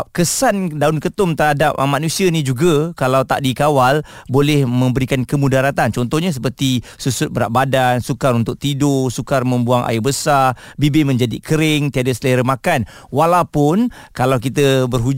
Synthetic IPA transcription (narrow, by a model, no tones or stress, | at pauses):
p̚kəsandaʊnkət̪ʊmt̪ərɦadap̚mãnusianid͡ʒuɡakalawt̪a̰ʔdikawal | bolɛhmə̃mbəɾikankəmudaɾat̪ant͡ʃɔnt̪ɔhɲas̬əpərt̪isusʊt̪̚bəɾa̰ʔ̚badansukaɾunt̪ʊk̚t̪idosukarmə̃mbuaŋʔa̰ɪbəsarbibimə̃ɲd͡ʒadikəɾɪŋt̪iadasəleɾəmakanwalawpʊnkalawkit̪əbərɦu